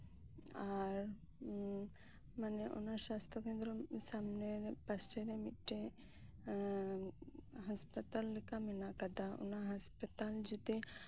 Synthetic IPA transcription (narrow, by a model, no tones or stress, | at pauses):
aɾ | maneʔṵnasast̪ɾɔkẽnd̪ɾɔsamnepasʈeɾemit̪ʈe | ɦəspət̪alːekamenakad̪aṵnaɦɐspət̪ald͡ʒut̪e